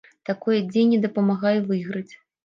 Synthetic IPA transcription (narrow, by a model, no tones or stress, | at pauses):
t̪akɔjɐd͡zʲejnʲɛd̪ɐpɐmaɣajɛvɨɣɾɐt͡sʲ